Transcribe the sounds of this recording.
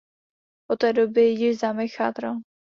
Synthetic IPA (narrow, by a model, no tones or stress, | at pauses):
ʔot̪ɛːdobɪjɪʒzamɪxa̰t̪ɾa